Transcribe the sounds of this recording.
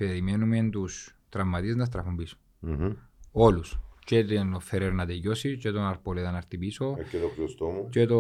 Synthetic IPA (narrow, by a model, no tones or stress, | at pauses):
peɾimenument̪ust̪ɾɐmːɐt̪ieznɐs̬t̪ɾɐfumbiso̥ | olust͡ʃet̪inofeɾeɾnɐt̪ejosit͡ʃet̪onɐɾpoleðɐnɐɾt̪ipiso̞cːet̪okɾiost̪omut͡ʃet̪o